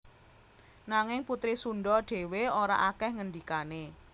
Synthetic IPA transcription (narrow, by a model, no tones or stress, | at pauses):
naŋɪŋput̪ɾisunɖɔɖ̥e̤weoɾa̰ʔakɛhŋəndikane